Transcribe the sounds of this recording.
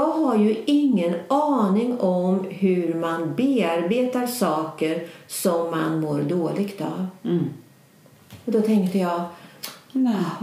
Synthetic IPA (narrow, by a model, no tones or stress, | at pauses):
jɑːɡɦaɾjɵɪŋːənɑːnɪŋɔmɦɵɾmanbeːaɾbeːt̪aɾsɑːkəɾsɔmːanmoːɾɖ̪oːlɪɡt̪a̰v | ɔd̪ɔt̪ʰɛŋkt̪əjɑː